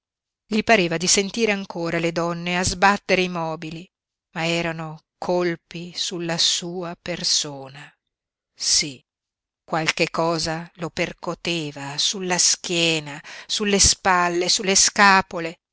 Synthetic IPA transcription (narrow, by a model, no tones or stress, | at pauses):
ʎipaɾeːvad̪isent̪iːɾeaŋkoːɾaled̪ɔnːeazbat̪ːeɾeimɔːbili | maɛːɾano | kʰolpisulːasuːapersoːna | si | kːwalkekːɔːzaloperkot̪eːvasulːask̟jɛːnasulːespalːesulːeskaːpole